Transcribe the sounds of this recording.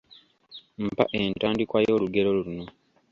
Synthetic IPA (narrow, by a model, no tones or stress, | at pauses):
m̩pa̰ʔentaːndikwajo̞ːluɡe̞ɾo̞luluno̞